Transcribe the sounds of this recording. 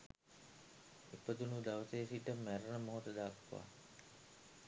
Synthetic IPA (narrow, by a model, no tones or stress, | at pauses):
epəd̪unud̪aʋəsejsiʈəmæɾənəmoɦot̪əd̪aːkʋa̰